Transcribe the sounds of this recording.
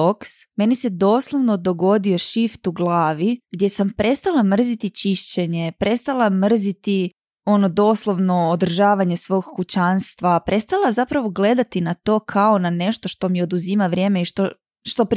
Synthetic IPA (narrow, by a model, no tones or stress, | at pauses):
oksme̞nise̞d̪o̞ːslˠoʋno̞d̪o̞ɡo̞d̪io̞ʃift̪uɡlˠaːʋiɡd̪je̞sampɾe̞st̪alamr̩zit̪it͡ɕiʃt͡ɕe̞ɲe̞pɾʔe̞st̪alˠamr̩zit̪i | o̞no̞d̪o̞slˠoʋno̞od̪r̩ʒaːʋaɲe̞sʋo̞ɡkut͡ɕaːnst̪ʋapɾʔe̞st̪alˠazapɾaʋo̞ɡle̞d̪at̪inat̪o̞ːkʰao̞nane̞ʃt̪oʃt̪o̞mio̞d̪uzimaʋɾʲje̞ːmeiʃt̪o | ʃt̪op